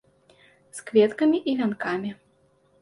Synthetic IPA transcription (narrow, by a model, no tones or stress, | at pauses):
skvʲɛt̪kɐmʲiʔivʲankamʲi